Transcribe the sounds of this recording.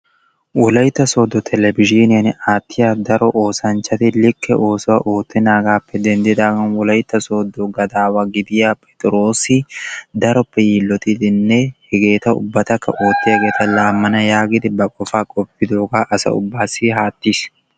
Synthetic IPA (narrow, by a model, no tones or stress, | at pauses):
wɔlɐjt̪ːɐso̞ːd̪ːɔt̪ʰɛlɛbɪd͡ʒiːnɪjanɪaːt̪ːɪjaːd̪ɐɾɔʔo̞ːsɐnt͡ʃːɐt̪ɪlɪkʰːɛʔo̞ːsɔwaʔoːt̪ʰːɛnaːɡaːpːɛd̪ɛnd̪ɪd̪aːɡɐnwɔlɐjt̪ːɐso̞ːd̪ːɔɡɐd̪aːwaɡɪd̪ɪjaːpʼɛt̪ʼɪɾo̞ːsɪd̪ɐɾɔpːɛjiːlːɔt̪ɪd̪ɪnːɛhɛɡe̞ːt̪ɐʊ̰bːɐt̪ɐkːɐ̰ʔo̞ːt̪ːɪhɛɡe̞ːt̪ɐlaːmːɐnɐjaːɡɪd̪ɪbɐkʼɔfaːkʼɔpːɪd̪o̞ːɡaːʔɐsɐ̰ʊ̰bːaːsiɦaːt̪ːis